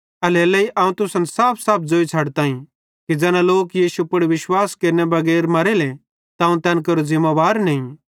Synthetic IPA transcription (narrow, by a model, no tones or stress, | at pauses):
ɐleɐlɐiʔɐ̃ːũt̪ʊsɐ̃nsaːpʰsaːp̚ʰd͡zoːit͡sʰɐɽt̪ãːĩ | kid͡ʒɛːnãloːkjiːʃupʊɽiʋɪʃwaːskeːɾnebɐɡɛːɾmɐɾele | t̪aũt̪ɛːnkɐɾozɪmːaʋaːɾnɐ̃ĩ